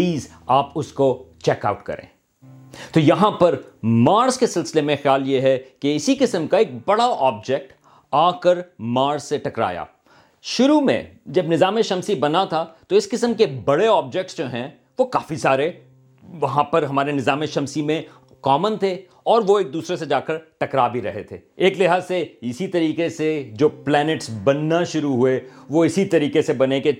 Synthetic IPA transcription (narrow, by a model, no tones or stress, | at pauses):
iːz | aːpʊskot͡ʃɛːka̰ːʊʈkɐ̰ɾḛ̃ː | t̪oːjɐɦãpɐɾmaːɾzkesɪlsɪlemẽxjaːljeɦɛkeɪsikɪsəmkaeːk̚bɐɽaʔɔːb̚d͡ʒɛk̚ʈ | aːkəɾmaːɾzseʈɐkɾa̰ːja̰ː | ʃʊɾumḛ̃d͡ʒɐbnɪzaːmeʃɐ̃msibɐnat̪ʰat̪oɪskɪsəmkebɐɽeɔːb̚d͡ʒɛk̚ʈsd͡ʒoːɦɛ̃ | ʋokaːfisaːɾe | ʋɐɦãpɐɾɦɐmaːɾenɪzaːmeʃɐmsimẽ | kɔːmənt̪ʰe | ɔːɾʋoeːk̚d̪uːsɾesed͡ʒaːkəɾʈɐkɾaːbʱiɾɐɦet̪ʰḛːeːklɪɦaːseɪsit̪ɐɾiːkesed͡ʒoːplɛːnɪʈsbɐnːaʃʊɾuɦueʋoɪsit̪ɐɾiːkesebɐneke